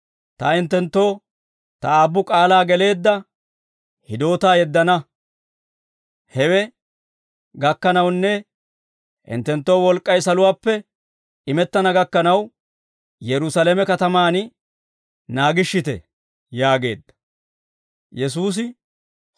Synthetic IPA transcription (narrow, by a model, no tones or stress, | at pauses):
t̪ɐɪnt̪ːɛnt̪ːo̞ː | t̪ɐaːbːʊkʼaːlaːɡɛle̞ːd̪ːɐ | hɪd̪o̞ːt̪aːjɛd̪ːɐnɐ | hɛwɛ | ɡɐkːɐnɐwnːɛ | ʔɪ̰nt̪ːɛnt̪ːo̞ːwɔlkʼːɐjsɐlʊwaːpːɛ | ɪmɛt̪ːɐnɐɡɐkːɐnɐw | jɛɾʊsɐlemɛkɐt̪ɐmaːn | naːɡɪʃːɪt̪ɛ̰ | jaːɡe̞̰ːd̪ːɐ̥ | jɛs̬uːs̬ɪ